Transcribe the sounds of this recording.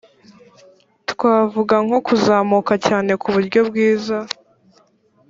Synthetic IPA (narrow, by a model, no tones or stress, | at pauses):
tkwaːvuɡaŋo̞kuzaːmukacaːne̞kuβuɾɟo̞bɡiːza